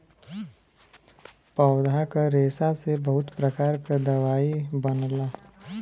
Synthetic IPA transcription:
pawd̪ʱakaɾeːsasebəɦʊt̪pɾəkaːɾkad̪ɐʋaːibɐnlaː

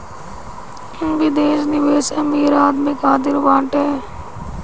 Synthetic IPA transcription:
ɪŋbid̪eːsnɪʋeːsɐmiːɾaːd̪mikaːd̪ɪɾʋãːɳʈɦɛː

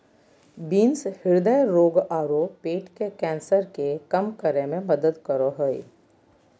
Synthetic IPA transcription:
biːnshɪɾd̪əjɾoːɡaːɾopeːʈkekɛ̃ːnsəɾkekɐmkəɾemẽmɐd̪əd̪kəɾoɦoḭ

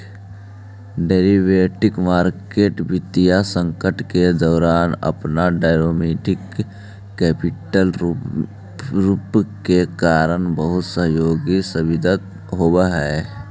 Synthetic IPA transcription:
ɖeːɾiʋeːʈɪkmaːɾkeːʈbɪt̪ijasə̃ŋkəʈked̪ɔːɾaːnə̰pnaɖaːɪɾoːmeːʈɪkː | ɛːpɪʈəl | ɾupkekaːɾənbəɦʊt̪səɦjoːɡisəbɪd̪ət̪ | ɦoːbaɦɛː

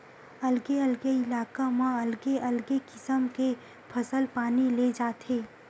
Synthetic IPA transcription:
ɐlɡeɐlɡeɪlaːkamãɐlɡeʔɐlɡekɪsəmke | pʰɐsəlpaːniled͡ʒaːt̪eː

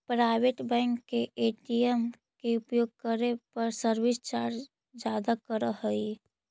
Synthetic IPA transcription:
pɾaɪʋeʈbɛ̃ːŋkːeʔeːʈiem | keʊpjoːɡ̚kəɾepəɾsəɾwist͡ʃaːɾɾ | d͡ʒaːd̪akəɾəɦəi

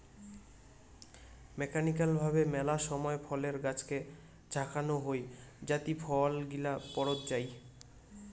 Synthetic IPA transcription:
mɛkanikalbʱabemɛlaʃɔmɔefʰɔleɾɡat͡ɕʰke | d͡ʑʱakʰanoɦojd͡ʑat̪ipʰɔlɡilapɔɽot̪d͡ʑaj

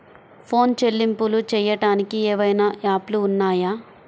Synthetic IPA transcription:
pʰo̞ːnt͡ʃe̞lːimpulut͡ʃɛːjɐʈaːnikiɛːʋɐjnɐʔaːpluːnːaːjaː

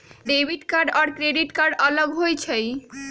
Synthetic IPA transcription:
ɖebʱiʈkaɾɖaɾkɾeɖiʈkaɾɖɔloɡɦojt͡ɕʰej

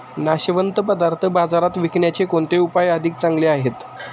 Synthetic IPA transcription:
naɕʋənt̪əpəd̪aɾt̪ʰəbad͡zaɾat̪ʋikɳjat͡ɕekoɳt̪eupajəd̪ʱik̚t͡saŋɡleaɦet̪

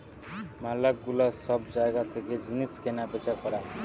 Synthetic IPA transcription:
malakɡulasʌbd͡zaekat̪ʰeked͡ziniskenapet͡ʃʰakʌɾa

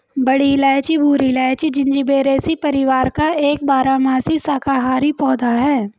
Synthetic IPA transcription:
bɐɽilɛːt͡ʃibʱuːɾilɛːt͡ʃid͡ʒɪ̃nd͡ʒibeːɾeːsipɐɾɪʋaːɾkaeːkbaːɾamaːsisaːkaɦaːɾipɔːd̪ʱaɦɛː

